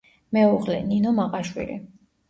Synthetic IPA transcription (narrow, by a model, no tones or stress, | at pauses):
mɛuʁlɛ̰ninɔmaqʼaʃwḭlḭ